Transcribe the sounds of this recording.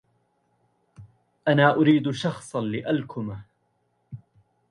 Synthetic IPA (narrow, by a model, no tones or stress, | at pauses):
ʔanaːʔʊɾiːd̪ʃɑxsˤɑnlɪʔalkʊma